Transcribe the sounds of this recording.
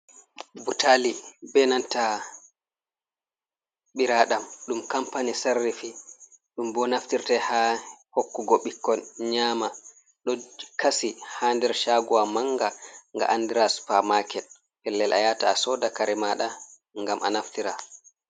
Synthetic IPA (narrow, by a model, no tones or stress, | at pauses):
butʰalibɛnanta | ɓiɾaɗamɗumkampanisarːifi | ɗumbɔnaftiɾtɛhahokːuɡɔɓikːɔnɲaːma | ɗɔkʰasihandɛɾʃaɡuwamaŋɡaŋɡa̰ʔandiɾasu̥pamakɛl | pɛlːɛlʔa̰jataːsɔdakaɾɛmaɗa | ŋɡamʔanaftiɾa